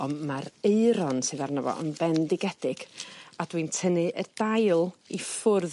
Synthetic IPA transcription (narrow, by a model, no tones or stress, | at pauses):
ɔmaɾeɨɾɔnsɨːðarnɔvɔ̰ə̰nbɛndɪɡɛd̥ɪɡ̥adwintʰənɨʔərdajlˠifʊrð